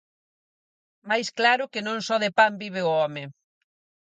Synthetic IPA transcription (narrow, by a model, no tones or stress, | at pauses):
majsklaɾʊkɪnõŋsɔðɪpambiβ̞ɪʊɔmɪ